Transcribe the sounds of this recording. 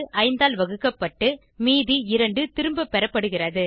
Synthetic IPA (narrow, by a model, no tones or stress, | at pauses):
ʔɐɪnd̪aːlʋɐɣɯkːɐpːɐʈːɯ | miːðiɪɾɐɳɖɯt̪ɪɾɯmbɐpːɛɾɐpːɐɽɯɣɪrɐðɯ